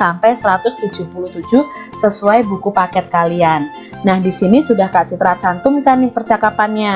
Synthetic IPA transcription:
ampɛjsəɾat̪ʊst̪ud͡ʒʊhpuluht̪ud͡ʒʊh | səsuajbukupakɛt̪̚kalianː | ahdisinisudahkaʔt͡ʃit̪ɾat͡ʃant̪ʊmt͡ʃanɪŋpərt͡ʃakapanɲa

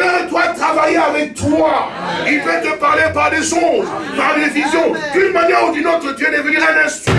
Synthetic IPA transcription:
ɛɛt̪yat̪χavajeavɛk̚t̪wa | ilfɛt̪əpaʁlepaʁd̪eʃoz | paʁd̪evizjɔ̃k̪ynmanjɛʁud̪ynot̪χət̪yɛ̃d̪evənilãnɛ̃st̪

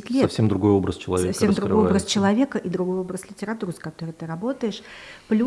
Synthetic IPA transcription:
ɪtʲlʲefsʲemd̪ɾʊɡo̞jobɾə̰st͡ɕɪlˠɐ̰svʲeɐfsemd̪ɾʊɡojbɾəst͡ɕɪlˠɐvʲe̞kəʔid̪ɾʊɡo̞jo̞bɾəslʲɪtʲɪɾɐt̪uɾskɐt̪o̞ɾəjt̪ɨɾɐbo̞t̪əjɪʂplʲu

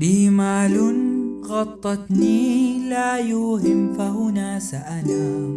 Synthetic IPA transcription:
liːmaːlʊnɣɑt̪ˤːɑt̪niːlaːjʊhɪmfahʊnaːsaʔanaː

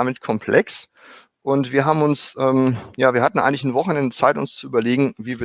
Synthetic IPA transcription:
amɪtkʰɔmpʰlʔɛks | ʔʊntv̥iːɐɦaːbm̩ʊnsʔɛːmjaːviːɐhatn̩ʔa̰ɪŋ̩l̬ɪçn̩vɔχn̩ɛndət͡saɪtʊ̰nst͡suʔyːbɐleːɡŋ̩viːvi

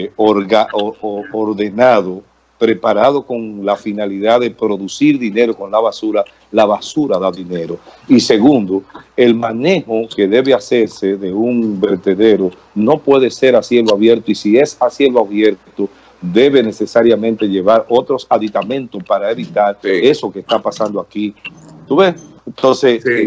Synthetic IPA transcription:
oɾɣaooɾðe̞naðo | pɾe̞paɾaðo̞ko̞ŋlafinaliðaðe̞pɾo̞ðusiɾðine̞ɾo̞ko̞nlaβasuɾa | laβasuɾaðaðine̞ɾo̞ise̞ɣund̪oe̞lmãne̞ho̞ke̞ðe̞βe̞ase̞ɾse̞ðe̞uŋbe̞ɾt̪e̞ðe̞ɾo | no̞pwe̞ðe̞se̞ɾasje̞loaβje̞ɾt̪oisie̞sasje̞loaβje̞ɾt̪o | ðe̞βe̞ne̞se̞saɾjamẽ̞nt̪e̞ʝe̞βaɾo̞t̪ɾo̞saðit̪amẽ̞nt̪ospaɾaeβit̪aɾe̞so̞keːst̪apasand̪oakit̪uβes | ent̪o̞nses

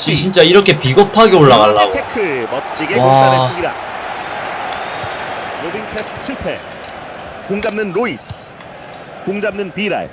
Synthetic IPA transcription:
t͡ɕit͡ɕʰint͡ɕ͈aiɾʌkʰe̞piɡʌpʰaɡeoɭːaɣaɭːaɡoekʰɯmʌt̚t͡ɕ͈iɡeaaeɲiɾa̰ | ɾobiŋtʰesʰt͡ɕʰupʰḛ | koŋd͡ʑamnɯnɾois | koŋd͡ʑamnɯnpiɾa̰ɭ

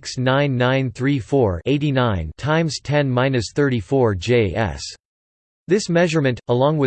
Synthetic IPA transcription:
ksnãɪ̃nːãɪ̃nθɹifɔɹeɪɾinãɪ̃ntʰãɪ̃mz̥tʰɛ̃nmãɪ̃nɨsθɜ˞ɾifɔɹd͡ʒeɪɛ̰s | ðɪsmɛʒə˞mɨ̃ntəlɔ̃ŋwɨ

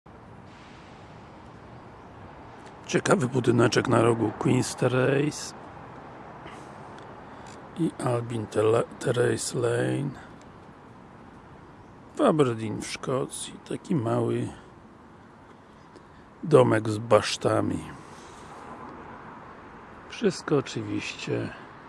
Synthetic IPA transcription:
t͡ɕɛkavɘput̪ɘnɛt͡ʂɛknaɾɔɡukwinst̪ɛɾɛjs | iʔalbʲint̪ʰɛɾɛjslɛjn | fabɛɾd̪ʲinfʂkɔt̪sʲjit̪akʲimawɘ | d̪ɔmɛɡzbaʂt̪amʲḭ | fʂɘst̪̚kɔːt͡ʂɘvʲiɕt͡ɕɛ

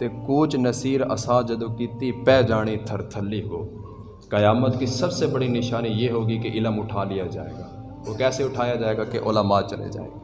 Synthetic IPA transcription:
t̪ekuːt͡ʃnɐsiːɾɐ̰sãːd͡ʒɐd̪okiːt̪ipɛːd͡ʒaːɽ̃it̪ʰəɾt̪ʰəlːiɦoː | kɐjaːmət̪kisɐbsebɐɽinɪʃaːnijeɦoːɡikeʔɪləmʊʈʰaːlijad͡ʒa̰ːḛːɡaː | oːkɛːseʊʈʰaːjad͡ʒaːeːɡakeʔo̰ːləmaːt͡ʃɐlḛd͡ʒa̰ːḛː

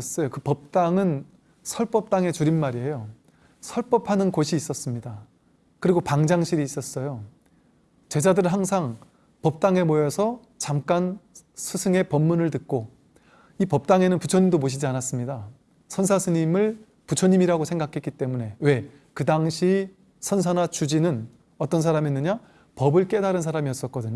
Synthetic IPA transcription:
s͈ʌjokɯpʌp̚t͈aŋɯn | sʰʌɭp͈ʌp̚t͈aŋe̞t͡ɕuɾinmaɾie̞jo | sʰʌɭp͈ʌpʰanɯnkoɕʰiːs͈ʌs͈ɯmɲida | kɯɾiɡopaŋd͡ʑaŋɕʰiɾiːs͈ʌs͈ʌjo | t͡ɕe̞d͡ʑadɯɾɯɭɦaŋsʰaŋ | pʌp̚t͈aŋe̞mojʌsʰʌ | t͡ɕamk͈ansʰusʰɯŋe̞pʌmːunɯɭtɯk̚k͈o | ipʌp̚t͈aŋe̞nɯnput͡ɕʰʌɲimdomoɕʰid͡ʑianas͈ɯmɲida | sʰʌns̬ʰasʰɯɲimɯɭ | put͡ɕʰʌɲimiɾaɡosʰe̞ŋɡakʰe̞k͈it͈e̞mune̞we̞ | kɯdaŋɕʰi | sʰʌns̬ʰanat͡ɕud͡ʑinɯn | ʌt͈ʌns̬ʰaɾaminːɯɲa | pʌbɯɭk͈e̞daɾɯnsʰaɾamiʌs͈ʌt̚k͈ʌdɯɲo

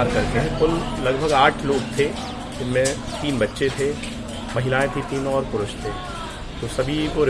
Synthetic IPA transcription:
aːɾkɐɾkeɦekʊllɐɡbʱəɡaːʈʰloːɡt̪ʰe | d͡ʒɪnmẽ | t̪iːnbɐtːʃet̪ʰe | mɐɦɪlaːẽt̪ʰit̪iːnɔːɾpʊɾʊʃt̪ʰeː | t̪osɐbʱikoɾɪ

